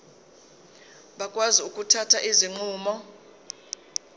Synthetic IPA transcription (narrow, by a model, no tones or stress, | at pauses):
ɓakʼwaziukʼutʰatʰaʔiziŋ͡ǃuːmɔ